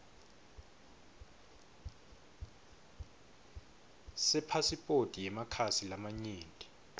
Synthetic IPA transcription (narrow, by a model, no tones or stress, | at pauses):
sɛpʰasipʼotʼijɛmakʰasilamaɲeːntʼi